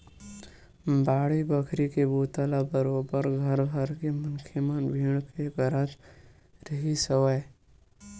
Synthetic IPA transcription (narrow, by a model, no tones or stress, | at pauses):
baːɽibəkʰɾikebuːt̪alabəɾoːbəɾɡʱəɾɡʱəɾkemənkʰemənbʱiːɽ̃kʰeɡəɾət̪ | ɾəɦisəwəj